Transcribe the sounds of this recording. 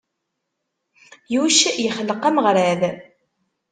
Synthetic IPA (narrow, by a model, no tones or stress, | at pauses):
juʃjəχəlːəqæməʁɾæð